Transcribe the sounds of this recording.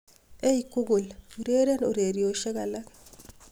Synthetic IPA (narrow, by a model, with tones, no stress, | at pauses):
e˦i˨ku˦ɡu˨lu˨ɾe˦ɾe˦no˨ɾe˨ɾjo˨ʃɛ˦ka˨la˦k